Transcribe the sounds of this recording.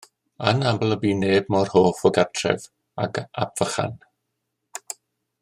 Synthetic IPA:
ənamblˠəbiːneːbmɔrhoːfɔɡatʰrɛ̰v | a̰ɡabv̥əχa̰n

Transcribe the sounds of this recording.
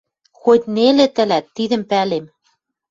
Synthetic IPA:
xot̪ʲnelĕt̪ɘ̆læt̪ːid̪ɘ̆mpælem

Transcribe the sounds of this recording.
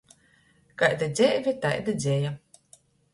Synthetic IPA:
kajd̪ad̪zʲɛːvʲit̪ajd̪ad̪zʲɛja

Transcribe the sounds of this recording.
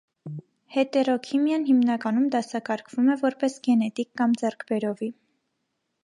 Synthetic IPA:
hɛt̪ɛrɔkʰimjɑnɦimnɑkɑnumd̪ɑsɑkɑɾkʰv̥umɛvɔɾpɛsɡɛnɛt̪ikːɑmd͡zɛrkʰbɛɾɔvi

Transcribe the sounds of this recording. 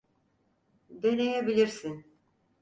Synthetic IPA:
d̪ønejebilʲiɾsin

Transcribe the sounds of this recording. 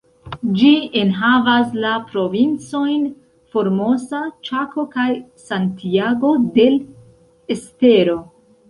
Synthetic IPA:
d͡ʒienɦavaslapɾo̞vint͡so̞jn | fo̞ɾmo̞sat͡ʃakʰo̞kajsantiaɡo̞de̞l | e̞ste̞ɾo̞

